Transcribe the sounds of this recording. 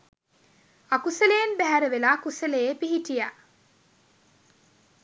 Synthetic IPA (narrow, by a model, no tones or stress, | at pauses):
akuselejenbæɦæɾəʋelaːkuselejeːpiɦiʈija